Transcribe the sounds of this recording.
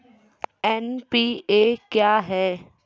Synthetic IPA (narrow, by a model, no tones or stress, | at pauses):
ɛːnpiːeːkjaːɦɛː